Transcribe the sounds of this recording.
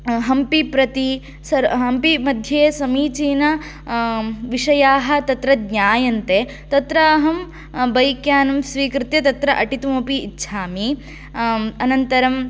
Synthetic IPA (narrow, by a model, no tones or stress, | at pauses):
ɦɐmpipɾɐt̪i | sɐɾɦɐmpimɐd̪ʱjeːsɐmiːt͡ʃiːnɐ | ʋiʂɐjaːɦɐ̆t̪ɐt̪ɾɐd̪ɲʲaːjɐnt̪eː | t̪ɐt̪ɾɐɐɦɐm | bɐjkjaːnɐmsʋiːkɾɪt̪jɐt̪ɐt̪ɾɐʔɐʈit̪umoːpiːtːʃʰaːmi | ɐnɐnt̪ɐɾɐm